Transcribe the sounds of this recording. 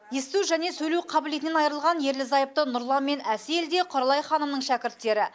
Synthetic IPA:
jest̪uwʒæne̞sɵjluwqʰɑbɪle̞jt̪ɪnenɑjəɾəlˠʁɑnje̞ɾlɪzɑjəp̚t̪ənʊɾlˠɑnme̞næseld̪e̞qʰoɾɑlˠɑjχɑnəmnəɴʃækʲɪɾt̪ːe̞ɾɪ

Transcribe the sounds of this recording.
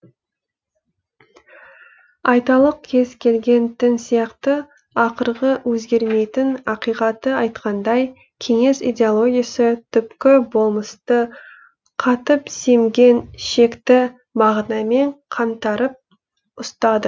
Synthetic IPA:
ɑjt̪ɑlˠəq̚kʲʰe̞z̥kʲʰe̞lɡʲe̞nt̪ɪnsijɑqt̪ə | ɑqəɾʁəwʔɵzɡʲe̞ɾme̞jt̪ɪnɑqijqɑt̪əɑjt̪qʰɑnd̪ɑj | kʲʰe̞ŋe̞sḭd̪ʲeolˠo̞ɡʲijasət̪ʰʏpkʲɪbo̞lˠməst̪ə | qʰɑt̪əpse̞mɡʲe̞nʃe̞kt̪ɪ | mɑʁnɑme̞ɴqʰɑnt̪ɑɾəp̚ | ʊst̪ɑd̪ə

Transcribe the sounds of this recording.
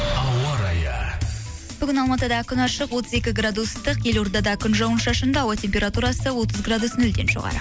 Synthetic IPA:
ɑwɑɾɑjɑ | b̥ʏɡʲɪnɑlˠmɑt̪əd̪ɑkʲʰʏnɑʃəqwo̞t̪əze̞kʲɪɡrad̪ust̪əqje̞lo̞ɾnd̪ɑd̪ɑkʲʰʏnʒɑwənʃɑʃənd̪ɑwət̪ʲʰe̞mʲpʲe̞ɾat̪uɾɑsəwo̞t̪əzɡrad̪usnɵld̪e̞nʃo̞̰ʁɑ̰ɾə̰

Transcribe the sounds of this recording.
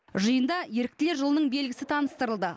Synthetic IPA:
ʒəjənd̪ɑje̞ɾɪk̚t̪ɪle̞ɾʒəlˠənəɴbe̞lɡʲɪsɪt̪ʰɑnəst̪əɾəlˠd̪ə

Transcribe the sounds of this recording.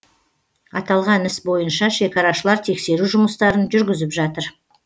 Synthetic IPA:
ɑt̪ɑlˠʁɑnɪsbo̞jənʃɑʃe̞kɑɾɑʃəlˠɑɾt̪ʰe̞kse̞ɾuʒʊməst̪ɑɾənʒʏɾɡʲɪzɪpʒɑt̪əɾ

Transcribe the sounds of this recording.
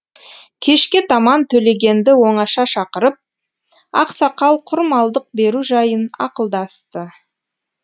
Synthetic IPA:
kʲʰe̞ʃkʲɪt̪ʰɑmɑnt̪ʰɵle̞ɡʲe̞nd̪ɪwo̞ɴɑʃɑʃɑqəɾəp̚ | ɑ̰qsɑqɑlˠqʰʊɾmɑlˠd̪əq̚be̞ɾuʒɑjənɑ̰qəlˠd̪ɑst̪ə

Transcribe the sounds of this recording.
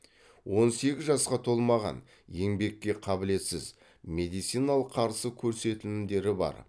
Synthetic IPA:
wo̞nse̞ɡʲɪzʒɑsqɑt̪ʰo̞lˠmɑʁɑ̰n | je̞ŋbe̞kʲːe̞qʰɑbɪle̞t̪sɪz | me̞d̪ijt̪sijnalˠəqʰːɑɾsəkʲʰɵɾse̞t̪ɪlɪnd̪e̞ɾɪbɑ̰ɾ

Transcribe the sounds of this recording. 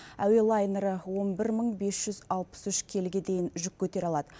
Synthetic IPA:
æwe̞lˠajneɾəwo̞nbɪɾməɴbe̞sʒ̥ʏzɑlˠpə̥sʏʃkʲʰe̞lɡʲe̞d̪e̞jɪnʒʏkʲːʰɵt̪e̞ɾɑlˠɑd̪ə

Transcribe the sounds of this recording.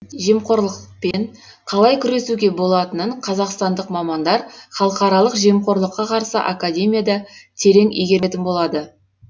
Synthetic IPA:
ʒiemqo̞ɾlˠəqpe̞ɴ | qʰɑlˠɑjkʲʰʏɾe̞suɡʲe̞bo̞lˠɑt̪ənəɴqʰɑzɑqst̪ɑnd̪əqmɑmɑnd̪ɑɾχɑlˠəqɑɾɑlˠəqʒiemqo̞ɾlˠəqːɑqʰɑɾsə̰ʔa̰kadʲe̞mʲijad̪ɑt̪ʰe̞ɾe̞ŋʔijɡʲe̞ɾet̪ɪnbo̞lˠɑd̪ə

